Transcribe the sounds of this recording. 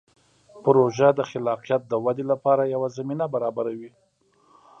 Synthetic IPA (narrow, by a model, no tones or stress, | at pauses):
pʊɾoʒad̪əxɪlɑqijat̪̚d̪əwad̪elapɑɾajawazaminabaɾɑbaɾawi